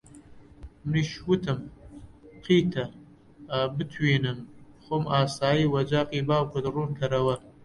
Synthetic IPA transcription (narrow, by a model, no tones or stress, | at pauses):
mriʃwʊtʰɨm | qʰiːtʰɐ | aːbɨtʰweːnɨmχʷʊmaːsaːjiːwɐd͡ʒaːqʼiːbaːwkʷʰɐdɨruːmtʰɐɾɐwɐ